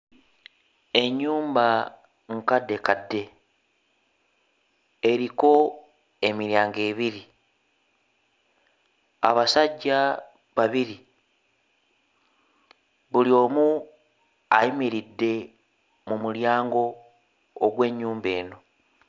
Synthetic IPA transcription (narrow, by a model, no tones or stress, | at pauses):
e̞ɲːuːmba | ŋkadːe̞kadːe̞ | ɾiko̞ | e̞miɾjaːŋɡe̞ːβiɾi | aβasaɟːa | βaβiɾi | βulio̞ːmu | aimiɾidːe̞ | mumuljaːŋɡo̞ː | ɡwe̞ːɲːuːmbe̞ːno̞